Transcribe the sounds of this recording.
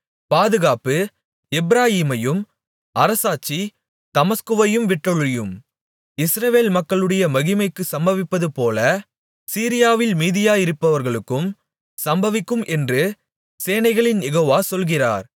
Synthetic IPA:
paːðɯɣaːpɯ | ɛbɾaːjiːmɐjɯm | ʔɐɾɐsaːt͡ʃːi | t̪ɐmɐskɯʋɐjɯmʋɪʈːɔɭɪjɯm | ɪsɾɐʋeːlmɐkːɐɭɯɽɐjɐmɐɣɪmɐɪkːɯsɐmbɐʋɪpːɐðɯpoːlɐ | siːɾɪjaːʋɪlmiːðɪjaːjɪɾɯpːɐʋɐɾɣɐɭɯkːɯm | sɐmbɐʋɪkːɯmʔɛndrɯ | seːnɐɪɣɐɭɪnjɛɣoːʋaːsɔlɣɪra̰ːɾ

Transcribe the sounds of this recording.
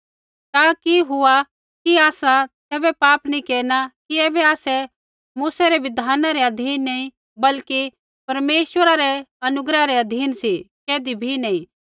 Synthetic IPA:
t̪aːkiɦʊa | kiaːsat̪ɛːbɛpaːpnĩkeːnakiɛːbɛaːsɛ | muːsaɾɛʋɪd̪ʱaːnaɾɛɐd̪ʱiːnːɐĩ | bɐlki | pɐɾmeːʃwəɾaɾɛɐnʊɡɾaɾɛɐd̪ʱiːnsi | keːd̪ibʱinɐĩ

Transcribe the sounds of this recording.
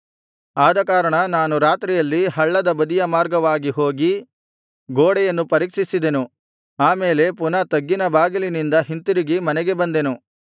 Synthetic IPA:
aːd̪ɐkaːɾɐɳɐnaːnuɾaːt̪ɾijɐlːiɦɐɭːɐd̪ɐbɐd̪ijɐmaːɾɡɐʋaːɡiɦo̞ːɡi | ɡoːɽɛjɐnːupɐɾikʂisid̪e̞nu | aːme̞ːle̞p̬unɐt̪ɐɡːinɐbaːɡilinind̪ɐɦint̪iɾiɡimɐnɛɡe̞bɐnd̪e̞nu

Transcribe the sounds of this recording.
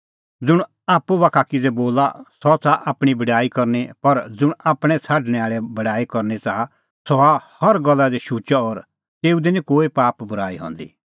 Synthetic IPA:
d͡zʊɽ | aːpuʋakʰakɪd͡zɛboːla̰sɔt͡saʔaːpɽ̃ibɐɽaːikɐɾnipɐɾd͡zʊɽ̃aːpɽ̃ɛt͡sʰaːɖɽ̃ɛ̃aːɭɛbɐɽaːikɐɾnit͡saa | sɔahɐɾɡɐlːad̪iʃuːt͡ʃaɔːɾ | t̪eːud̪ɛnĩkoːipaːpbʊɾaːiɦɔ̰̃ːnd̪ḭ

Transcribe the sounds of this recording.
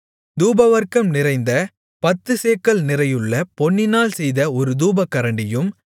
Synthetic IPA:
d̪uːbɐʋɐɾkɐmnɪɾɐɪnd̪ɐ | pɐt̪ːɯseːkːɐɭnɪrɐjɯɭːɐpɔɳːɪnaːlsɛjðɐɔɾɯd̪uːbɐkːɐɾɐɳɖɪjɯm

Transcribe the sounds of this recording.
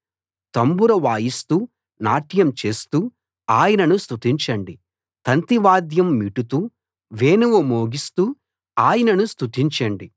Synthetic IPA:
t̪ɐmbuɾɐʋaːjist̪uː | naːʈjɐmt͡ʃe̞ːst̪uː | aːjɐnɐnust̪ut̪iɲt͡ʃɐɳɖi | t̪ɐnt̪iʋaːd̪jɐmːiʈut̪uː | ʋeːnuʋɐmoːɡist̪uː | aːjɐnɐnust̪ut̪iɲt͡ʃɐɳɖi

